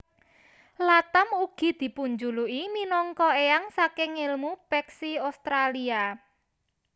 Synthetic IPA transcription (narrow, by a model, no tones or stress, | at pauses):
lat̪amuɡ̥i̤d̪̥i̤puɲd͡ʒuluʔiminɔŋkɔeaŋsakeŋelmupɛksiost̪ɾalia